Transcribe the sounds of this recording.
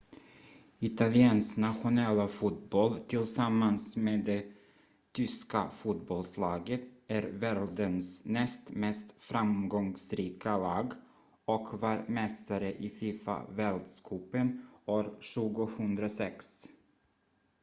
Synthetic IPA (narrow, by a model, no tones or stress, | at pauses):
ɪt̪alɪɛːnsnat̪ɧʊnɛlːafuːt̪̚bɔlt̪ʰɪlsamːansmeːd̪ɛ | t̪ʰʏskafuːt̪̚bɔlslɑːɡət̪æɾvɛld̪ənsnɛst̪mɛst̪fɾamɡɔŋsɾiːkʰalɑːɡ | ɔkvɑːɾmɛst̪aɾəʔɪfiːfa̰vɛld̪skʰuːpənoːɾɕʉːɡʊhɵnd̪ɾasɛks